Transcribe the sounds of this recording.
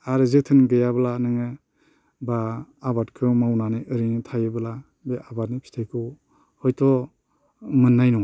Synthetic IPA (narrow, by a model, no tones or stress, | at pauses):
aɾɯzɯtʰɯnɡɯjablanɯŋɯ | baːbatkʰɯmawnaneʔɯɾinɯtʰajɯbəla | beabat̚nipʰi̥tʰajkʰɯw | hɔjtʰɔ | mɯnːajnɔ